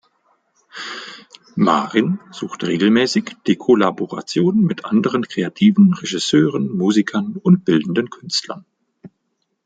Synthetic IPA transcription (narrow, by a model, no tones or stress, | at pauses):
ma̰ːʁɪnz̥uːxtʁeːɡl̩mɛːsɪçd̥eːkʰolaboʁa̰t͡sjoːnmɪtʔandəʁənkʁ̥eatʰiːvn̩ʁeʒɪsøːʁənmuːzikʰɐnʊnt̚b̥ɪldn̩dənkʰʏnstlɐ̰n